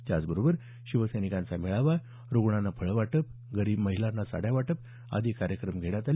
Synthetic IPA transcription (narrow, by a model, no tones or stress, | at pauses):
t̪jat͡sbəɾobəɾ | ɕiʋəsəjnikãnt͡samiɭaʋa | ɾoɡɳanːapʰəɭʋaʈəp̚ | ɡəɾiːbməɦilanːasa̰ɽjaʋaʈəp̚ | a̰d̪ʱiːkaɾjəkɾəmɡʱeɽat̪al